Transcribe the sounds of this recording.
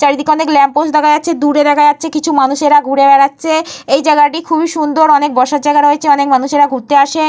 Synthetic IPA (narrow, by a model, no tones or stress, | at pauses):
t͡ɕaɾid̪ikɔneklɛmposd̪ɛkʰaatːt͡ɕʰed̪uɾed̪akʰajatːɕʰekit͡ɕʰumanuʃeɾaɡʱuɽebɛɽatːɕʰeejd͡ʑaeɡaʈikʰubiʃund̪oɾɔnek̚bɔɾʃad͡ʑajɡaɾɦoet͡ɕʰeɔnekmanuʃeɾaɡʱuɾt̪eaʃe